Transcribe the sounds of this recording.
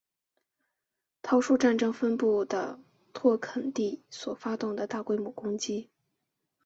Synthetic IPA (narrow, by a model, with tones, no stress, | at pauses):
t̪ʰɑ˧˥ʊʂu˥˧ʈ͡ʂa˥˩nʈ͡ʂɤ˥ŋfə˥npu˥˩d̪ə˩ | t̪ʰwɔ˥˩kʰə˨˩nt̪i˥˩swɔ˨˩fa˥t̪ʊ˥˩ŋd̪ə˩t̪a˥˩kwe˥ɪmu˨˩kʊ˥ŋt͡ɕi˥